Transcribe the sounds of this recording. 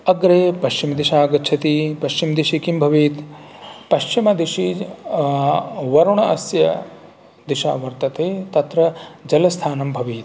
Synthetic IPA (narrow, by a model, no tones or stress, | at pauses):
ɐɡɾeːpɐʃt͡ʃimɐd̪iʃaːɡɐtt͡ʃʰɐt̪ipɐʃt͡ʃimd̪iʃikimbʱɐʋiːt̪ | pɐʃt͡ʃimɐd̪iʃi | ʋɐɾuɳɐɐsjɐ̰ | d̪iʃa̰ːʋɐɾt̪ɐt̪ʰeːt̪ɐt̪ɾɐd͡ʒɐlɐst̪ʰaːnɐmbʱɐʋiːt̪